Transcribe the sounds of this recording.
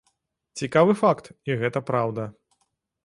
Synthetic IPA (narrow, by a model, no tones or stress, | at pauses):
t͡sʲikavɨfakt̪iɣɛt̪ɐpɾawd̪ɐ